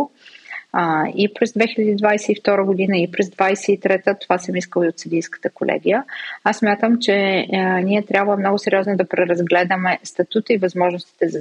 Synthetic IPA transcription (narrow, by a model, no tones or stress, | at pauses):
ipɾɛzd̪vɛxilʲəd̪iːd̪vajsɛift̪ɔɾəɡod̪inəipɾɛzd̪vajsɛit̪ɾɛt̪ət̪ovasəmiskəlˠiot̪səd̪ijskə̥t̪əkolʔɛ̰ɡʲijəassːmʲjat̪əmt͡ʃɛniɛt̪ɾʲjabvlˠəmnɔɡʊsɛɾʲɔznod̪ɐpɾɛɾɐzɡlɛd̪əmɛst̪ɐt̪ut̪əivɐzmɔʒnʊst̪i̥t̪ɛzɐ